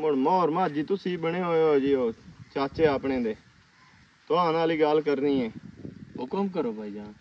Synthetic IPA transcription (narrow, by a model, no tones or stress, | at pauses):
mʊɽmɔːɾmaːd͡ʒiːt̪ʊsiːbəɳeːɦoːoːd͡ʒiːɦoːt͡ʃaːt͡ʃeːaːpɳeːd̪eː | t̪ʊɦãːnaːliːɡaːlkəɾnĩːɛːɦʊkəmkəɾoːbʱaːid͡ʒãː